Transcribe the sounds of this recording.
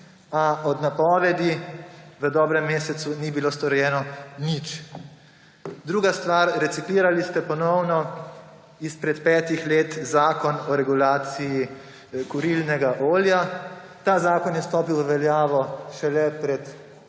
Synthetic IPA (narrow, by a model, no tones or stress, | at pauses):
aɔd̪napɔːʋɛd̪iʋəd̪ɔːbɾɛmːeːsɛt̪sunibiloːst̪ɔɾjɛːnɔnit͡ʃ | d̪ɾuːɡast̪ʋaːɾɾɛt̪sikliːɾalist̪ɛpɔnɔwnɔ | ispɾɛt̪pɛːt̪ixleːt̪zaːkɔnɔɾɛɡulaːt̪siji | kuɾilnɛɡaʔoːlja | t̪aːzaːkɔnjɛst̪ɔːpiwʋəʋɛljaːʋɔʃɛlɛpɾɛt̪